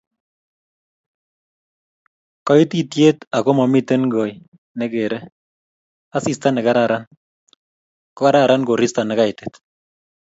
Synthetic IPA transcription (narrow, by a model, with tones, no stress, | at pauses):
kɔ˦iti˦tje˦t̪a˨ko˦mɔ˨mi˦t̪e˦nɡɔ˨j | nɛ˦ke˨ɾɛ˦ | a˦si˨st̪a˦nɪ˨kaɾaɾa˦n | kɔka˦ɾa˦ɾa˦nko˨ɾi˦sta˨nɪ˨ka˦ɪte̥t̪